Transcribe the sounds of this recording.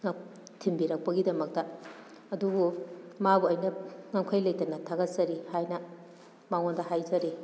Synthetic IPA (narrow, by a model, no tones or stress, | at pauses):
ŋɐ | tʰimbiɾɐk̚pɐɡidɐmɐk̚tɐ | ɐdubumabuɐjnɐŋɐŋkʰɐjlɐjtɐnɐtʰaɡɐt̚zɐɾihajnɐ | maŋondɐhajzɐɾi